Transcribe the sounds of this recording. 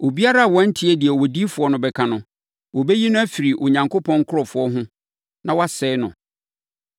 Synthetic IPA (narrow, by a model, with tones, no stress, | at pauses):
o˨bi˦a˦ɾa˦a˨wɔ̃˦n̩˦tʰɪ˦ɛ˦di˨ɛ˨wɔ˨di˦fʊ˨˦ɔ˦nʊ̃˨bɛ˨kʰã˨nʊ̃˨ | wɔ˨be˦ji˦nʊ̃˦æ˦fi˨ɾi˨ʔʊ˨ɲã˨ŋkʰo˦pʰɔ̃˦ŋ̩˦kʰʊ˦ɾɔ˨fʊ˨ɔ˦ɦʊ̃˦ | nã˨wɔ˦a˦˨sɛː˦nʊ̰̃˨